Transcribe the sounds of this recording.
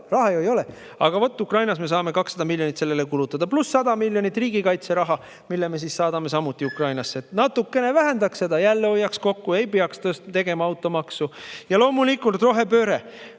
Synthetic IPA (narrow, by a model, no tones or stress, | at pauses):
rɑɦɑejoejo̞le | ɑ̰ɡ̥ɑvo̞t̪ːˑukrɑjnɑsme̞s̬ɑːme̞kɑksɑd̪ɑmilʲjo̞nit̪se̞lːe̞le̞kulut̪ːˑɑd̪̥ɑplusːɑd̪̥ɑmilʲjo̞nit̪ːˑriːɡ̥ikɑjt̪se̞ɾɑɦɑ | milːeme̞s̬issɑːd̪ɑme̞s̬ɑmut̪ːˑiukrɑjnɑsːe̞t̪nɑt̪ːukːe̞ne̞væɦend̪ɑksse̞d̪ɑjælːeo̞jːɑksko̞kːue̞jpeɑkst̪øːst̪t̪e̞ɡ̥e̞mɑɑwt̪ːˑo̞mɑksujɑlo̞ːmulikːult̪ro̞ɦe̞pøːɾe